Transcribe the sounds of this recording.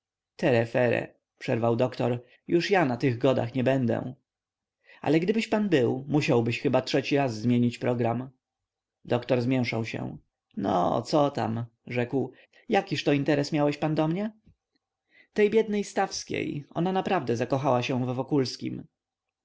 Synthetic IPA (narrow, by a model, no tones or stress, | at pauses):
t̪ʰɛɾɛfɛɾɛ̰ | pʂɛɾvawd̪ɔkt̪ɔɾ | juʂjanat̪ɘɣɡɔd̪a̰xɲɛbɛnd̪ɛ̰ | ʔa̰lɛɡd̪ɘbɘɕpanbɘwmuɕawbɘɕxɘbatʂɛt͡ɕiɾazːmʲjeɲit͡ɕpɾɔɡɾam | d̪ɔkt̪ɔɾzmʲjɛw̃ʂawɕɛ̰̃ | nɔ̰t̪sɔt̪a̰mʐɛkw | jakʲiʂt̪ɔint̪ɛɾɛsmʲjawɛɕpand̪ɔmɲɛ | t̪ɛjbʲjɛd̪nɛjst̪afskʲḛjɔ̰nanapɾavd̪ɛzakɔxawaɕɛ̃vːɔkulskʲḭm